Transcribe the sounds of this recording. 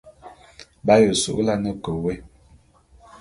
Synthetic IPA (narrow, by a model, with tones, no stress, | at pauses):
ba˦jə˨sṵ˨ʔla˦nə˦˨kə˨we˦